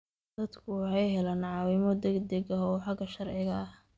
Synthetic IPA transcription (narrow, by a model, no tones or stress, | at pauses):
d̪̥ɐd̪kʰʊħɑjɦɛlaːnʕɑːwɪmɔd̪ɛɡd̪ɐɡɐɔːħɑɡɐʃɐrʕɪɣɐːh